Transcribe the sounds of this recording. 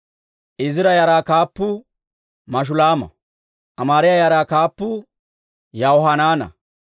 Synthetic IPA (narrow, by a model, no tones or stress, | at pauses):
ʔɪzɪɾɐjaɾaːkaːpːʊ | mɐʃ̬ʊlaːmɐ̰ | ʔɐmaːɾɪjajaːɾaːkaːpːʊ | jawɔɦɐnaːnɐ̰